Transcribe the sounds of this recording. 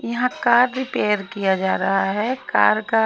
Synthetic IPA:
jɐɦãkaːɾɾɪpeːəɾkijad͡ʒaːɾɐɦaɦɛka̰ːɾka

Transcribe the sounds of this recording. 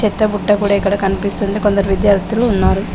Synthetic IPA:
et̪ːɐbuʈːɐkuːɽeikːɐɽekɐɳpist̪und̪ekond̪ɐɾʋid̪jaːɾt̪ːilunːaːɾu

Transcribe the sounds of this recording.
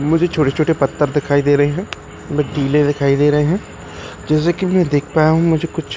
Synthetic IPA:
mʊd͡ʒʱet͡ʃʰoːʈet͡ʃʰoːʈepət̪ːəɾd̪ɪkʰaːid̪eːɾəɦeɦɛ̃ː | bəɖiːlẽd̪ɪkʰaːid̪eːɾəɦeɦɛ̃ː | d͡ʒɛːs̬eːkimɛ̃ːd̪eːkʰpaːjaɦũmʊd͡ʒʱeːkʊt͡ʃʰ

